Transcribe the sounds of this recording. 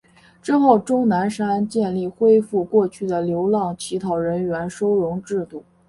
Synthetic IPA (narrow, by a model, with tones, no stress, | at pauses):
ʈ͡ʂɻ̩˥xo˥˩ʊʈ͡ʂʊ˥ŋna˧˥nʂa˥nt͡ɕjɛ˥˧nli˥˩xwe˥ɪfu˥˧kwɔ˥˧t͡ɕʰy˥˩d̪ə˩ljo˧˥ʊlɑ˥˩ŋt͡ɕʰi˧˥t̪ʰɑ˧˥˩ʊɻə˧˥nɥɛ˧˥nʂo˥ʊɻʊ˧˥ŋʈ͡ʂɻ̩˥˧t̪u˥˩